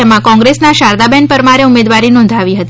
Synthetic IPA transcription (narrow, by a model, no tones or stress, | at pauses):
emãkɔ̃ŋɡɾesnaʃaɾd̪abɛnpəɾmaɾeumed̪ʋaɾinɔ̃nd̪ʱaʋiɦət̪i